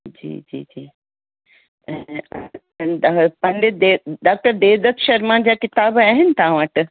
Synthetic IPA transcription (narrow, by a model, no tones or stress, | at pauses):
d͡ʑḭːd͡ʑḭːd͡ʑiː | pɐ̃nd̪ed̪eɖaːk̚ʈəɾd̪eːʋd̪ɐt̪ʰʃɐɾmãd͡ʑaːkɪt̪aːbaːɦɪnɪ̆t̪ɐɦãʋəʈ